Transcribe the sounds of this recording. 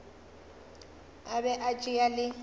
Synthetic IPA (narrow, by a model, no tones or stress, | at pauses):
abɛʔat͡ʃʼialɪ